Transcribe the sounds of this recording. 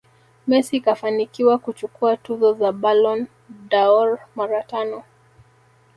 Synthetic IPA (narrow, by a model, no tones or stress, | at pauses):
mɛsiːkafanikiwakut͡ʃukuatuzɔzaɓalɔn | daɔɾmaɾatanɔ